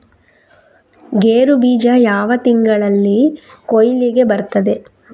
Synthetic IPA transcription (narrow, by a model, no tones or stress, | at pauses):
ɡeːɾubiːd͡ʒɐjaːʋɐt̪iŋɡɐɭɐlːi | kojliɡe̞bɐɾt̪ɐd̪e̞